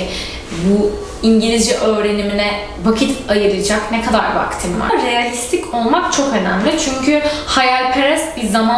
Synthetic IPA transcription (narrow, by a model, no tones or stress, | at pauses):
bu | iɲɟilʲizd͡ʒiʔø̞ːɾe̞niminɛ | vakʰit̪ʰajɯɾˠɯd͡ʒaknɛkʰad̪aɾva̰kt̪ʰɯmva̰ɾejalʲist̪ʰicʰo̞lˠmak̚t͡ʃʰo̞kø̞næ̰mlʲit͡ʃʰyɲcʰyhajalʲpʰeɾɛsbiɾzama